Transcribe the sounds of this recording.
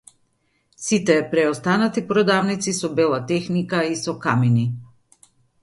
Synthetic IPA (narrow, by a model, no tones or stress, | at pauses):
sit̪ɛːpɾɛɔst̪anat̪ipɾɔd̪avnit̪sisɔbɛlˠat̪ɛxnikaisɔkamini